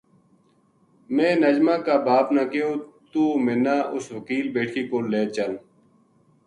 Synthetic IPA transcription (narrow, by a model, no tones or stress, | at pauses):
mẽːnəd͡ʒmãːkaːbaːpnãːkeoːt̪uːmenaːʔʊsʋəkiːlbeːʈʰiːkoːleːt͡ʃəl